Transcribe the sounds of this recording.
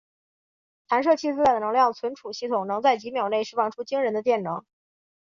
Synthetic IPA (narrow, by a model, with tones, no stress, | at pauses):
t̪ʰa˧˥nʂ̬ɤ˥˧t͡ɕʰi˥t͡ssɹ̩˥la˥˩d̪ə˩n˧˥ŋljɑ˥˩d̪ə˩t͡sʰwə˧˥nʈ͡ʂʰu˨˩ɕi˥˩t̪ʰʊ˨˩ŋnɤ˧˥ŋt͡sa˥˩ɪt͡ɕi˧˥mjɑ˨˩ʊne˥˩ɪʂɻ̩˥fɑ˥˩ŋʈ͡ʂʰu˥t͡ɕi˥ŋɻə˧˥nd̪ə˧t̪̬jɛ˥˩nnɤ˧˥ŋ